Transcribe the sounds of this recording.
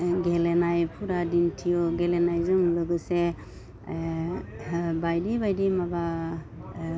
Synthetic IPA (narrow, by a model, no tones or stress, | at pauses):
ɡelenajpʰuɾadintʰijɔɡelenajzɔmlɯɡɯse | bajdibajdimaba